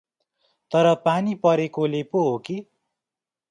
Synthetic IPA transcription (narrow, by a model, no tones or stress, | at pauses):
t̪ʌɾʌpanipʌɾekolepoɦoki